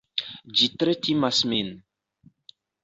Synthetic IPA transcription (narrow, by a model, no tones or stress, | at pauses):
d͡ʒit̪ɾetimasmin